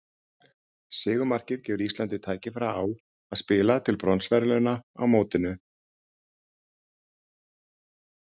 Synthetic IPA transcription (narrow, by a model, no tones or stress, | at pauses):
sɪːɣʏmar̥cɪðcɛːvʏɾist̪lant̪ɪt̪ʰaːjcɪfɾaːw | aðspɪːlat̪ʰɪlpɾɔnsvɛɾlœnaa̰wmoːwt̪ɪnʏ